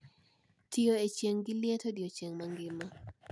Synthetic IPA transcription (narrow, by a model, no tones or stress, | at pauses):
tʰioet͡ɕeŋɡiljet̪ʰodiot͡ɕeŋmaŋɡima